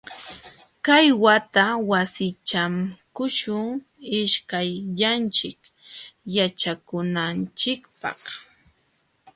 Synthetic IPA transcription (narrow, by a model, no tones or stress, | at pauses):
kajwat̪awasɪt͡ʃamkʊʃʊŋ | ɪʃkajʎant͡ʃɪk | jat͡ʃakʊnant͡ʃɪkpɑ̰χ